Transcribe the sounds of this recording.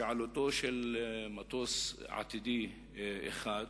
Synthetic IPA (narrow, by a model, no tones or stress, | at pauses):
ʕalot̪oʃelmat̪osʕa̰t̪id̪i | ʔḛxaːd̪